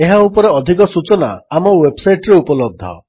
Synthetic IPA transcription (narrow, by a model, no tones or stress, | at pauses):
eɦaupɔɾeɔd̪ʱikɔsut͡ʃɔna̰ːmɔwebsajʈɾeupɔlɔb̚d̪ʱɔ̰